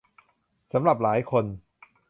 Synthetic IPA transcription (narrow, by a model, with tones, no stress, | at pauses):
sa˩˦mɾa˨˩p̬̚laː˩˦jkʰo˧n